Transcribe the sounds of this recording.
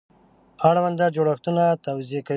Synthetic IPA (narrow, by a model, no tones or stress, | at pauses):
aɽwand̪ad͡ʒoɽaxt̪unat̪awziaka